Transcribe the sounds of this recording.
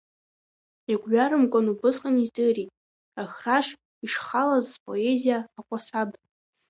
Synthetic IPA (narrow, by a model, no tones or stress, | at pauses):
iɡʷʼɥᶣaɾɨmkʷʼanubɨsqʼanizdɨritʼ | axraʂ | iʂχalazzpʼo̞ezijaːkʷʼasab